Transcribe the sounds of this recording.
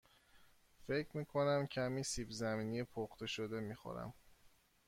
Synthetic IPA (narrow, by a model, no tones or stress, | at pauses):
fe̞cʰɾmiːkʰo̞næmcʰæmiːsiːbzæmiːnijepʰoχt̪ʰe̞ʃod̪e̞miːxo̰ɾæ̰m